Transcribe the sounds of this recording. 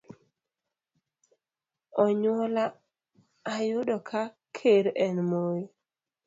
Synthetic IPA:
ɔɲwɔlaː | jʊdɔkʰa | kʰeɾɛnmoji

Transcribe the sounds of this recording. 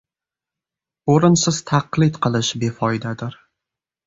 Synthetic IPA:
oɾɪnsɪz̥t̪ʰaqlˠɪt̪qʰɨlˠɪʃbefɒjd̪ad̪ɪɾ

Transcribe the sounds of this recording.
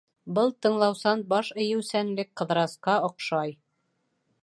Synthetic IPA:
bɤlˠt̪ɤ̆ɴlˠɑwsɑnbɑʃɘ̆jɘ̆wsænlɘk̚qɤ̆ðɾɑsqɑŏqʃɑj

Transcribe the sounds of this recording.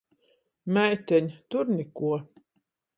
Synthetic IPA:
mæjt̪ɛɲt̪uɾnʲikuɔ

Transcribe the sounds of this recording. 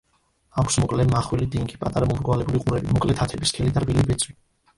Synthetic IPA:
akʰsmɔkʼlɛmaχwɛlid̪iŋɡipʼat̪ʼaɾamɔmɾɡwalɛbuliqʼuɾɛbimɔkʼlɛt̪ʰat̪ʰɛbiskʰɛlid̪aɾbilibɛt̪sʰʼwi

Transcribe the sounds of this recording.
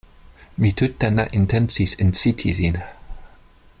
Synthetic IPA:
mit̪ʰutːanaʔɪ̃ntʰɛ̃nsisɪ̃nsitʰiɹina

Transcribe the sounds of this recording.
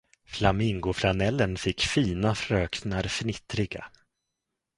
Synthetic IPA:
flamɪŋɡʊflanɛlːənfɪkːfiːnafɾøːknaɾfnɪt̪ɾɪɡa̰

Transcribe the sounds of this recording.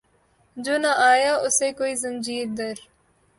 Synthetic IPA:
d͡ʒoːnaʔaːjaːʔʊseːkoːiːzə̃nd͡ʒiːɾd̪ɐɾ

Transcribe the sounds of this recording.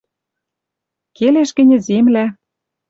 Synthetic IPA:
keleʃkɘ̆nʲĕzemlæ

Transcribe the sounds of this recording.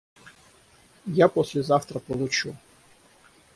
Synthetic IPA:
japɔsʲlʲɛzaft̪ɾɐpɔlˠut͡ʃu

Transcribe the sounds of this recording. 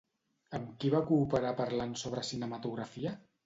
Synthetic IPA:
əmkiβakuːpəɾapəɾlansoβɾəsinəmət̪uɣɾəfiə

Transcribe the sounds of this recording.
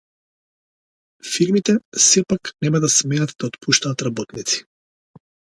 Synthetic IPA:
fiɾmit̪ɛsɛpaknɛmad̪asmɛnat̪d̪aɔt̪pʰuʃt̪aːt̪ɾabɔt̪nit̪si̥

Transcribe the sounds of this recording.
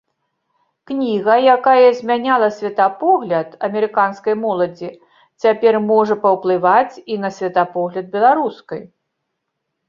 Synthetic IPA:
knʲiɣɐjakajɐzʲmʲanʲalˠɐsʲvʲɛt̪apɔɣlʲɐt̪ɐmʲɛɾɨkanskɐjmɔlˠɐd͡zʲi | t͡sʲapʲɛrmɔʐɐpɐwplˠɨvat͡sʲinɐsʲvʲɐt̪apɔɣlʲɐd̪̚bʲɛlˠaɾuskɐj

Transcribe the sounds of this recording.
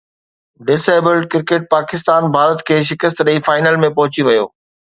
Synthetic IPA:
ɖɪseːbəlɖ̚kɪɾkeːʈ̚paːkɪst̪aːnbʱaːɾət̪kʰeːʃ̬ɪkəst̪ɗəifaːɪnəlmẽpɐɦʊt͡ɕiʋɐjo̰ː

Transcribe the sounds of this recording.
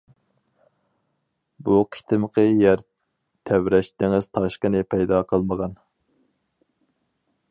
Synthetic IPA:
buqʰi̥t̪ʰɪmqʰəjæɾ | t̪ʰæwɾɛʃt̪ɪŋɪz̥t̪ʰɑʃqənɪpʰɛjd̪ɑqʰəlˠməʁɑn

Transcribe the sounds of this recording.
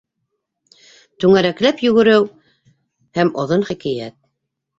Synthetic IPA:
t̪ʉŋæɾæklæpjɵ̆ɡɘ̆ɾɘw | hæmŏðonχikæjæt̪̚

